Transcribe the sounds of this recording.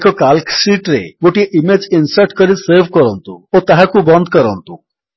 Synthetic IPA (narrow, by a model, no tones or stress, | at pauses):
kʰɔkalksiʈɾḛɡoʈieʔimed͡ʒinsaʈkɔɾiseɾʋkɔɾɔnt̪ṵot̪aɦakubɔnd̪ʱkɔɾɔnt̪u